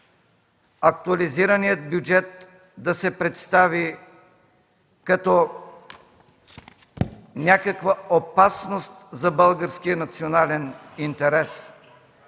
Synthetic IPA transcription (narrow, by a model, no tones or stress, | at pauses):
ɐk̚t̪uɐliziɾɐnijət̪̚bjud͡ʒɛt̪̚ | d̪ɐsɛpɾɛt̪st̪avi | kɐt̪ɔ | nʲakɐkvɐopasnost̪zɐbəlˠɡəɾskiənɐt̪sionalɛnint̪ɛɾɛs